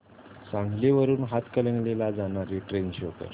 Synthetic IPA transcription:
sãŋɡʱleʋəɾuːnɦat̪kələŋɡlelad͡zanaɾeʈɾenɕokə̰ɾ

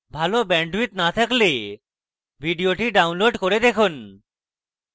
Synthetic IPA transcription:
bʱalobɛɳɖwit̪nat̪ʰakle | bʱiɖijoʈiɖawnloɖkoɾed̪ekʰun

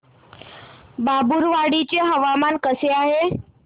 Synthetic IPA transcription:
babuɾʋaɽit͡ɕəɦəʋamankəseaɦe

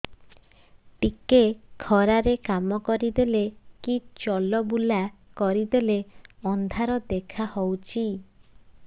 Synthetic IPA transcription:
ʈikekʰɔɾaɾekamɔkɔɾid̪elekit͡ʃɔlɔbulakɔɾid̪eleɔnd̪ʱaɾɔd̪ekʰahɔwt͡ʃʰi

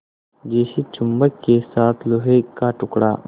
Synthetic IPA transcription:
d͡ʒeːsit͡ʃʊmbəkkesaːt̪ʰloɦekaʈʊkɽa̰ː

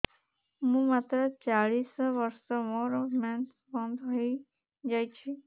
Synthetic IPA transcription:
mũːmaːt̪ɾət͡ʃaɽiːsʋəɾsɔmɔɾɔmɛn | bɔ̃nd̪ɦoi | d͡ʒaːjt͡ʃʰi

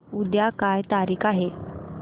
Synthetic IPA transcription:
ud̪jakajt̪aɾiːkaɦe

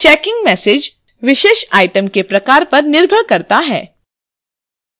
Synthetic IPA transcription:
t͡ʃɛːkɪ̃ŋɡmɛːseːd͡ʒ | ʋɪʃeːʃaːjʈəmkepɾɐkaːɾpɐɾnɪɾbʱəɽkɐɾt̪aɦɛ̰ː

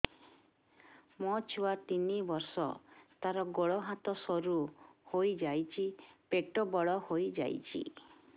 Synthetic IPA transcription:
mɔt͡ʃʰuwat̪inibɔɾsɔ̰t̪aɾɔɡoɭɔɦat̪ɔsɔɾuhojd͡ʒajt͡ʃʰipeʈɔbɔɭɔhojd͡ʒa̰jt͡ʃʰḭ

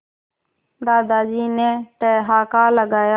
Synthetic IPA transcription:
d̪aːd̪aːd͡ʒiːnẽːʈeːɦaːkaːləɡaːja

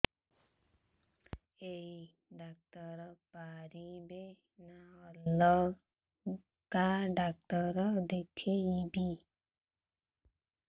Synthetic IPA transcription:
ei | ɖak̚təɾɔpaɾibe | naɔllɔ | kaɖak̚təɾɔd̪ekʰeibi

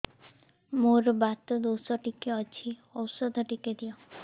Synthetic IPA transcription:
moɾbat̪ɔd̪owsɔʈikeɔt͡ʃʰiɔwsɔd̪ʱɔʈiked̪ijɔ

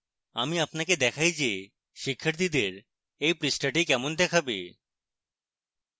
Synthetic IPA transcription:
amiapnaked̪ɛkʰajd͡ʑe | ʃikʰːaɾt̪ʰid̪eɾ | ejpɾisʈaʈikɛmond̪ɛkʰabḛ

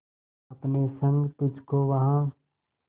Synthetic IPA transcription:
ɐpnesə̃ŋɡt̪ʊd͡ʒʱkoʋɐɦã

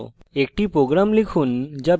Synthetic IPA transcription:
ek̚ʈipɾoɡɾamlikʰund͡ʑab

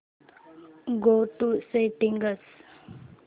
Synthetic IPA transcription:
ɡoʈuseʈĩŋɡəs

